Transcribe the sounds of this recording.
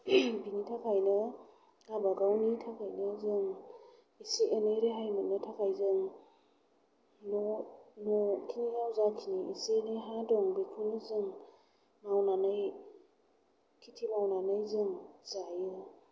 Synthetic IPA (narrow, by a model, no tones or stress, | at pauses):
binitʰakʰajnɯ | ɡabaɡawnitʰakʰajnɯzɯŋ | isiʔeneɾeɦajmat̚nɯtʰakʰajzɯŋ | nɔnɔkʰinijawzakʰiniisineɦadɔŋbikʰunɯzɯŋ | mawnanɯj | kʰitʰimawnanɯjzɯŋzajɯ